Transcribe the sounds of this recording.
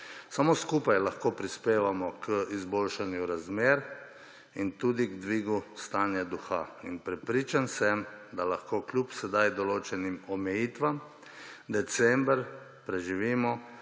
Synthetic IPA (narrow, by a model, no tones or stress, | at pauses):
samoskuːpajlaxkoːpɾispeːʋamɔkʰəizboːlʃanjuɾazmeːɾ | int̪uːd̪iɡd̪ʋiːɡust̪aːnjad̪uxa̰inpɾɛpɾiːt͡ʃansɛmd̪alaxkoːklʲupsɛd̪ajd̪ɔloːt͡ʃɛnimɔmɛjiːt̪ʋam | d̪ɛt̪sɛmbɾ | pɾɛʒiʋiːmɔ